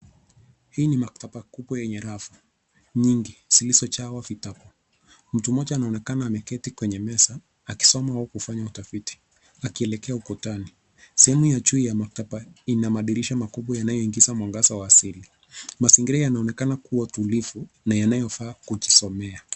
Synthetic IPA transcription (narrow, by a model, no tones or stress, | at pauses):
hiːnimak̚tapakuɓwɔjɛɲɛɾafu | ɲiŋɡisilisɔt͡ʃawafitapɔ | m̩tumɔʄaːnaɔnɛkanaːmɛkɛtikwɛɲɛmɛsaː | ki̥sɔmawaɔkufaɲautafiti̥ | akiɛlɛkɛaukɔtani | sɛhɛmujat͡ʃuijamak̚tapainamaɗiɾiʃamakuɓwajanajɔiŋɡizamwaŋɡasawaːsili | masiŋɡiɾɛjanaɔnɛkanakuwatulifu | najanajɔfaːkud͡ʒisɔmɛa